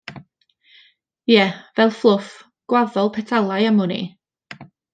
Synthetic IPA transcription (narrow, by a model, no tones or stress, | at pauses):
jɛvɛlˠflˠʊf | ɡ̥waðɔlˠpʰɛtʰalˠajamʊnḭ